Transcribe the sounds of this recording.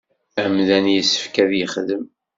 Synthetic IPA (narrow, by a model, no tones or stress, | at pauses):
æmðænjəsːə̥fkæðjəχðəm